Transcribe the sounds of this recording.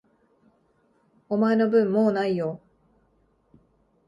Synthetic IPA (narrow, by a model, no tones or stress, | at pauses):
omae̞no̞bɯ̟̃mːoːnaijo